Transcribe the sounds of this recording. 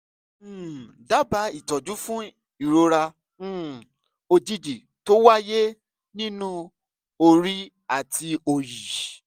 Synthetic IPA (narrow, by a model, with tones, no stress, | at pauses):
da˦ba˨˦i˦˨tɔ˨d͡ʒu˨˦fũ˦ | i˨ɾo˨˧ɾã˧˨ | o˧d͡ʒi˧d͡ʒi˨ | to˦wa˦je˦ | nĩ˦nũ˦ | o˧ɾi˦ | a˦˨tʰi˧o˧ji˨